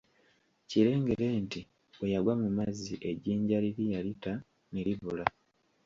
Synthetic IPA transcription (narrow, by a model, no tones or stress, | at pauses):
ciɾe̞ːŋɡe̞ɾe̞ːnti | wejaɡwamumaziʔe̞ɟiːɲɟaliɾijalita | niɾiβula